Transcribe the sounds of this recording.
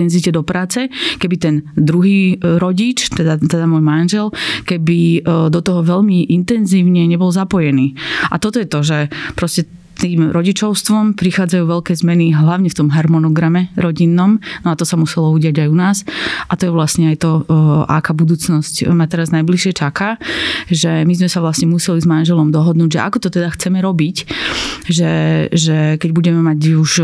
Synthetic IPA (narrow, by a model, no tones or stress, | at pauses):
ɛnzicɛd̪ɔpɾaːt͡sɛkɛbit̪ɛnd̪ɾuɦiːɾɔɟit͡ʃt̪ɛd̪at̪ɛd̪amɔːjmanʒɛlkɛbid̪ɔt̪ɔɦɔʋɛʎmiʔint̪ɛnziːʊɲɛɲɛbɔlzapɔjɛniːʔa̰t̪ɔt̪ɔjɛt̪ɔʒɛpɾɔscɛ | t̪iːmɾɔɟit͡ʃɔʊst̪ʋɔmpɾixaːd͡zajuːʋɛʎkɛːzmɛniɦlaʊɲɛft̪ɔmɦaɾmɔnɔɡɾamɛɾɔɟinːɔmnɔat̪ɔsamusɛlɔuɟɪaɟajunaːsʔat̪ɔjɛʋlasɲɛajt̪ɔ̰akaːbud̪uːt͡snɔscmat̪ɛɾaznajbliʃɪɛt͡ʃakaːʒɛmizmɛsaʋlasɲɛmusɛlizmanʒɛlɔmd̪ɔɦɔd̪nuːɟʒɛ̰ʔa̰kɔt̪ɔt̪ɛd̪axt͡sɛmɛɾɔbic | ʒɛʒɛkɛɟbuɟɛmɛmaɟuʒ